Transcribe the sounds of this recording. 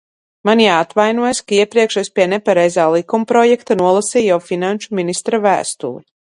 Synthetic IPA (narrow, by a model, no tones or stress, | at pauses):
manjaːat̪vajnuɔjskaiɛpɾiɛkʃaspiɛnɛpaɾɛjzaːlˠikumpɾɔjɛkt̪anuɔlˠasiːjawfinanʃuminist̪ɾavæ̰ːst̪ṵːɾi